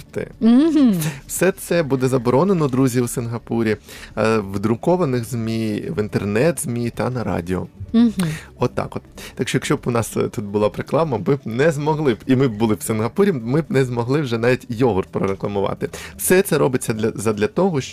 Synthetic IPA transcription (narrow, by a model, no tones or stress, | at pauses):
t̪ɪ̰wsɛt̪sɛbud̪ɛzɐbɔɾɔnenɔd̪ɾuzʲiwsɪnɦɐpuɾʲi | wd̪ɾʊkɔʋɐnɪɣzʲmʲiʋint̪ernɛt̪z̥ʲmʲit̪ɐnɐɾɑ̰dʲɪɔ̰ | ɔt̪ːɑ̰kɔt̪t̪ɐkʃɔjɐkʃt͡ʃɔbʊnɑst̪ut̪bʊlˠɑpɾeklˠɑmɐmɪbnɛzmɔɦlˠɪbimɪb̚bʊlˠɪwsɪnɦɐpuɾʲimɪbnɛzmɔɦlˠɪwʒɛnɑʋʲitʲjɔɦɔrpɾɔɾeklˠɐmʊʋɑ̰t̪ɪwsɛt̪sɛɾɔbɪt͡sʲːɐd̪ʲɐzɐd̪lʲɐt̪ɔɦɔʃt͡ʃ